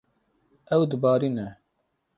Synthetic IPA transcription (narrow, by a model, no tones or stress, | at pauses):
ɛwd̪ɨbɑːɾiːnɛ